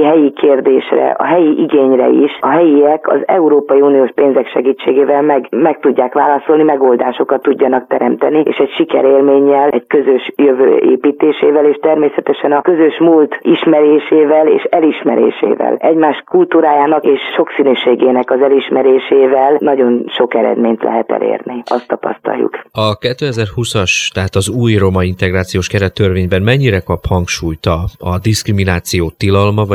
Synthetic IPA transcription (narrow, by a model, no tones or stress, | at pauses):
ɦɛjikʰeːrd̪eːʃrɛ̰ɒ̰ɦɛjiʔiɡeːɲrɛ̰ḭʃɒɦɛjiɛkɒ̰zɛuɾoːpɒjiuːnioːʃpeːnzɛkʃɛɡiːt͡ʃːeːɡeːvɛlmɛɡmɛk̚t̪uɟːaːkʋa̰ːlɒso̞lnimɛɡoːld̪a̰ːʃo̞kɒt̪ːuɟːɒnɒk̚t̪ɛɾɛmt̪ɛ̰niḛːʃɛɟʃikɛ̰ɾeːlmeːɲːɛlɛɟkøzøʃjøvø̰ːḛːpiːt̪eːʃeːvɛleːʃt̪ɛrmeːsɛt̪ɛʃɛnɒkø̞zøʃmult̪iʃmɛɾeːʃeːvɛlḛːʃɛliʃmɛ̰ɾḛːʃḛːvɛ̰lɛɟmaːʃkult̪uːɾaːjaːnɒkeːʃʃo̞ksinyːʃeːɡeːnɛkɒzɛliʃmɛɾeːʃeːvɛlnɒɟo̞nʃo̞kɛɾɛ̰d̪meːɲt̪lɛ̰ɦɛt̪ɛ̰lḛːrniʔɒ̰st̪ːɒpɒ̰st̪ɒ̰ljṵkɒkɛt̪ːøːɛzɛrhusɒʃt̪ɛɦaːt̪ɒzuːjro̞mɒint̪ɛɡraːt̪sijoːʃkɛɾɛt̪ːørveːɲbɛnmɛɲːiɾɛkɒphɒŋkʃuːjt̪ɒɒd̪iskriminaːt̪sijoːt̪ːilɒlmɒ